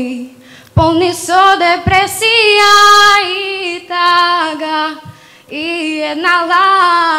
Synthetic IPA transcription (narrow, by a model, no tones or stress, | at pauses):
ponisod̪epɾesiait̪aɡa | ienala